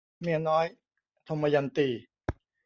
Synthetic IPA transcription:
mi˧nɔː˦˥j | t̪ʰo˧ma˧ja˧˩nt̪iː˧˩

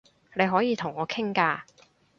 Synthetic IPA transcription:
ne˨˧jɦɔː˨˥jiː˨˧t̪ʰʊ˨˩ŋɔː˨˧kʰɪ˥ŋkaː˧

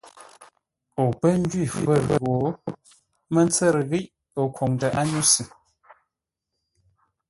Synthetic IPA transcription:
o˨pə˦n̩˦d͡ʒɥi˦˨fə˦˨ɣə˦˨wo˨˦ | mə˦n˦t͡sə˦˨ɾə˨ɣi˦ʔ | o˨kʰo˨ŋdə˨ʔa˦ɲu˦sɨ˨

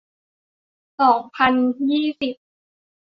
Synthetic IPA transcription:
sɔː˨˩˦ŋpʰa˧njiː˥˩si˨˩p̚

